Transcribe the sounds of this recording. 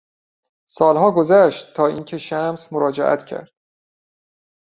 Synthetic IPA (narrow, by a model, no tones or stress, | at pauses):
sɒːlɦɒːɡozæʃt̪tʰːɒːiːncʰe̞ʃæmsmoɾɒːd͡ʒḛʔæ̰t̪ʰcʰæ̰ɾd̪̥